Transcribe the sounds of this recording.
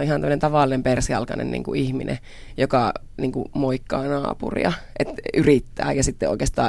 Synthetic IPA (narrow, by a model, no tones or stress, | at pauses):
oʔihɑnæmːənent̪ɑʋɑlːˑinempersiɑ̰lkɑnḛnnḭŋkuihminʔḛ | jokɑ | niːŋkumoikːɑːnɑ̰ːpṵrḭɑʔet̪yrit̪ːæ̰ːjɑsit̪ːeo̰ikest̪ɑ̰ː